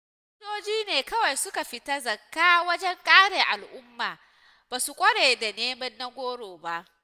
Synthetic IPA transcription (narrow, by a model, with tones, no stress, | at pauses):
ɪ˦doː˦d͡ʒiː˦neː˨kɐ˦wa˨jsʊ˦ka˨ɸɪ˨ta˦zɐ˨kːaː˦wɐ˦d͡ʒɛ˦ŋkʼaː˦ɽeː˨ʔa˨lʔʊ˦mːaː˨ | b̥aː˨su˨kʷʼɐ˦ɽeː˨jda˨neː˦mɐ˦nːa˦ɡʷoː˦ɽoː˨ba˦ʔ